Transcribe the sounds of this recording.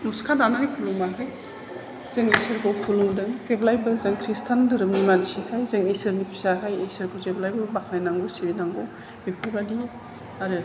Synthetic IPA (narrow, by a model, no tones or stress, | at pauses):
nuskʰadanaŋajpʰuluŋmakʰaj | z̥eŋisɯɾkowpʰuluŋdɯŋzeblajbɯzɯŋkʰɾistʰandɯɾɯmnimansikʰajzɯŋisɯɾnipʰisakʰajesɯɾkʰowzeblajbɯbakʰnajnaŋbɯsiɾinaŋɡow | bipʰɯɾbadi | aɾɯ